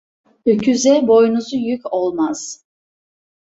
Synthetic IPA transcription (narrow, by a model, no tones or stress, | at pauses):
øcʰyzɛbo̞junuzujykʰʲo̞lˠmaz̥